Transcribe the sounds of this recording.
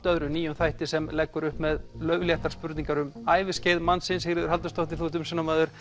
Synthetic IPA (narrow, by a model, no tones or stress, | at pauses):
t̪œðɾʏniːjʏmθajht̪ɪsɛmlɛkːʏɾʏhpmɛðlœɥvljɛht̪aɾ̥spʏɾt̪niŋkaɾʏmaːjvɪsceːjðmansɪnshɪɣɾɪðʏɾ̥alt̪ʏst̪owht̪ɪθuːht̪̬ʏmsɛnːamaːðʏɾ̥